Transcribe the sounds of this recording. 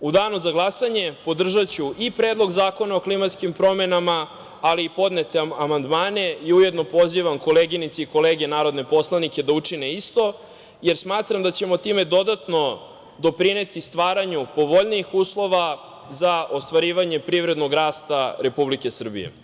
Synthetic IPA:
ud̪aːnuzaɡlˠasaɲe̞po̞d̪r̩ʒat͡ɕuʔipɾe̞ːd̪lˠo̞ɡzaːko̞naoklimat̪skimpɾo̞me̞namaː | liːpo̞d̪ne̞t̪eamand̪maːne̞iuje̞d̪no̞po̞ziʋamko̞leɡinit̪siiko̞leːɡe̞naːɾo̞d̪ne̞po̞slˠanikʲe̞d̪aut͡ʂineist̪o̞ | je̞ɾsmaːt̪ɾamd̪at͡ɕe̞mo̞t̪ime̞d̪o̞d̪at̪no̞ | d̪o̞pɾine̞t̪ist̪ʋaːɾaɲupo̞ʋo̞ʎniːxuːslˠo̞ʋa | zao̞st̪ʋaɾiːʋaɲe̞pɾivɾe̞d̪no̞ɡɾaːst̪aɾe̞publike̞sr̩bḭje̞̰

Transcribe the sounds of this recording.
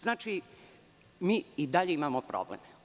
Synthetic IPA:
znaːt͡ʃi | miːid̪aʎeimamopɾo̰blḛm

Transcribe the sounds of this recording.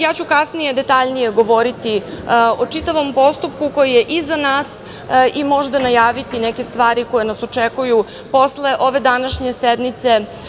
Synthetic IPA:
jaːt͡ɕukasnije̞d̪et̪aʎnije̞ɡo̞ʋo̞ɾit̪io̞t͡ʂit̪aʋo̞mpo̞st̪up̚kuko̞jijeʔizanaːs | imo̞ʒd̪anajaːʋit̪inɛke̞st̪ʋaːɾiko̞jenaso̞t͡ʂekuju | po̞sle̞ʔo̞ʋe̞d̪anaʃɲe̞sed̪mit̪se̞

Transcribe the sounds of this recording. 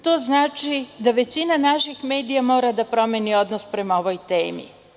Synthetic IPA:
t̪o̞ːznaːt͡ʃid̪aʋe̞t͡ɕinanaʃixme̞ːd̪ijamo̞ːɾad̪apɾo̞menio̞d̪nospɾe̞maoʋojt̪ḛːmḭ

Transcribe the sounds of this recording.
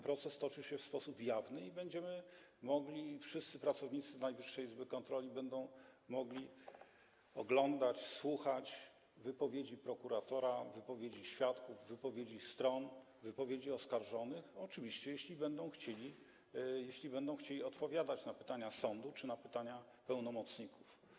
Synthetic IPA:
pɾɔt̪sɛst̪ɔt͡ʂɘɕɛfspɔsupjavnɘibɛɲd͡ʑɛmɘ | mɔɡlʲifʂɘst̪sɘpɾat̪sɔvɲit̪sɘnajvɘʂːɛjizbɘkɔnt̪ɾɔlʲibɛnd̪ɔ̃w̃mɔɡlʲi | ɔɡlɔnd̪at͡ɕswuxat͡ɕ | vɘpɔvʲjed͡ʑipɾɔkuɾat̪ɔɾavɘpɔvʲjed͡ʑiɕfʲjat̪kuvːɘpɔvʲjed͡ʑist̪ɾɔn | vɘpɔvʲjed͡ʑiɔskaɾʐɔnɘxɔt͡ʂɘvʲiɕt͡ɕɛjeɕlʲibɛnd̪ɔ̃w̃xt͡ɕelʲi | jeɕlʲibɛnd̪ɔ̃w̃xt͡ɕelʲiɔt̪pɔvʲjad̪at͡ɕnapɘt̪aɲasɔnd̪ut͡ʂɘnapɘt̪aɲa | pɛwnɔmɔt̪sɲikuf

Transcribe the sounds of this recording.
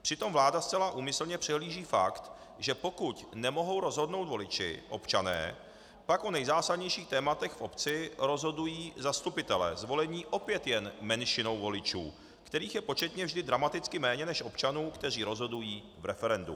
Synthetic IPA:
pr̝̥ɪt̪o̞mvlaːdast͡sɛlaʔuːmɪsl̩ɲɛpr̝̥ɛɦliːʒiːfakt̪ | ʒɛpo̞kucnɛmo̞ɦo̞wɾo̞zɦo̞dno̞wt̪vo̞lɪt͡ʃɪ̰ʔo̞̰pt͡ʃanɛ̰ː | pakʔo̞nɛjzaːsadɲɛjʃiːxt̪ɛːmat̪ɛxfʔo̞pt͡sɪɾo̞zɦo̞dujiːzast̪upɪt̪ɛlɛ̰ːzvo̞lɛɲiːʔo̞pjɛt̪jɛnmɛnʃɪno̞wvo̞lɪt͡ʃṵː | kt̪ɛɾiːxjɛpo̞t͡ʃɛt̪ɲɛvʒdɪd̪ɾamat̪ɪt͡skɪmɛːɲɛnɛʃʔo̞pt͡ʃanuːkt̪ɛriːɾo̞zɦo̞dujiː | vɾɛfɛɾɛndṵ

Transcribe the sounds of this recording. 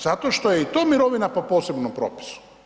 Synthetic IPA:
zat̪oʃt̪ojeit̪oːmiɾo̞ʋinapopo̞ːsebnompɾo̰ːpi̥su̥

